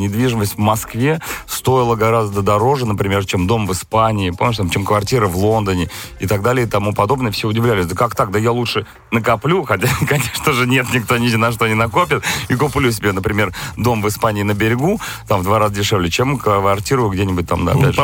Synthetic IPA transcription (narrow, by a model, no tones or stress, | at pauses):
nʲɪd̪vʲiʐɨməsʲtʲvmɐskvʲe̞st̪o̞ɪlˠəɡɐɾazd̪əd̪ɐɾo̞ʐɨnəpɾʲɪmʲe̞rt͡ɕemd̪o̞mvɨspanʲɪɪpomnʲɪʂt̪amt͡ɕemkvɐrtʲiɾəvlˠo̞nd̪ənʲɪɪt̪aɡ̚d̪alʲɪjɪt̪ɐmupɐd̪o̞bnəjəfsʲeʊdʲɪvlʲælʲɪsʲd̪əkakt̪ak̚d̪əjalˠutʂɨ | nəkɐplʲuxɐtʲakɐnʲeʂnəʐɨnʲe̞t̪nʲɪkt̪onʲɪdʲɪnɐʂ̬t̪oɐnʲɪnɐko̞pʲət̪̚ikʊplʲus̬ʲɪbʲenəpɾʲɪmʲe̞rd̪o̞mvɨspanʲɪːnəbʲɪɾʲɪɡut̪amvd̪vaɾazədʲɪʂɛvlʲɪt͡ɕemkvɐrtʲiɾʊjʊɡdʲenʲɪbʊt̚ʲt̪a̰md̪a̰ɐ̰æ̰dʲʐ